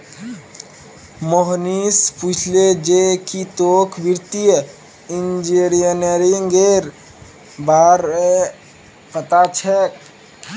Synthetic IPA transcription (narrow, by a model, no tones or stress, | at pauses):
moɦnisput͡ʃʰled͡ʒekit̪okʰbiɾt̪ijə | ind͡ʒiɾiəneɾiŋɡeɾ | baɾe | pət̪at͡ʃʰɛk